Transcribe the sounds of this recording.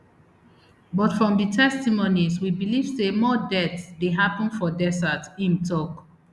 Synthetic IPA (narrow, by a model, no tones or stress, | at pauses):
bɔtfɹɔ̃mditʰɛstimoniswibiliv̥semɔdɛtsdeɦapə̃nfɔdɛsatĩntʰɔk